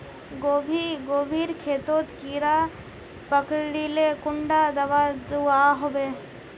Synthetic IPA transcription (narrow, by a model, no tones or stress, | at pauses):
ɡoːbʱiːɡoːbʱiːɾkʰeːt̪oːt̪kiːɾa | pəkɽilekʊɳɖad̪əʋad̪uaɦobeː